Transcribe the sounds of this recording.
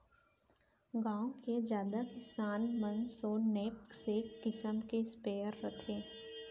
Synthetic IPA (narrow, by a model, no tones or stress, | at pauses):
ɡãːõked͡ʒjaːd̪akɪsaːnmə̃nsoːnɛːp̚ksekɪsəmkespeːəɾːət̪ʰeː